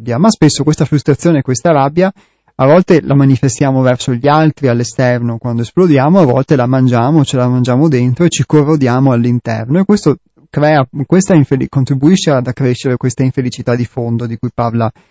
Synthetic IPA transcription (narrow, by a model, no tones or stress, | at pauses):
bjamaspesːokwest̪afɾust̪ɾat̪sːjoːneːkwest̪aɾabːja | avɔlt̪elʔamanifest̪jaːmovɛrsoʎialt̪ɾialːest̪ɛrnokwand̪oesplod̪jaːmoavɔ̰lt̪elamand͡ʒaːmot͡ʃelamand͡ʒaːmod̪ent̪ɾoet͡ʃikorːod̪jaːmoalːint̪ɛ̰rnoekwest̪o | kɾɛːakwest̪aiɱfelikont̪ɾibuiʃːead̪akːɾeʃːeɾekwest̪aiɱfelit͡ʃit̪ad̪ifond̪od̪ikujparla